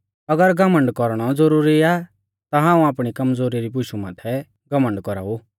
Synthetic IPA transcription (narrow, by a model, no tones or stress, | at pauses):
ɐɡəɾɡəmə̃ɳɖkɔɾɽ̃ɔd͡zəɾuːɾia | t̪aɦãːũaːpɽ̃ikɐmd͡zoːɾiɾibʊʃumaːt̪ʰɛ | ɡɐmə̃ɳɖkɔɾa̰ːu